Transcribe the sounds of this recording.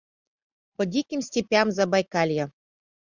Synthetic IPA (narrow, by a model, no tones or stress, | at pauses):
pɔdʲikʲimsʲtʲipʲjamzabajkalʲja